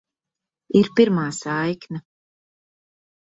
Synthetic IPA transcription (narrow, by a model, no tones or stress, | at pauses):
iɾpʲiɾmaːsajkna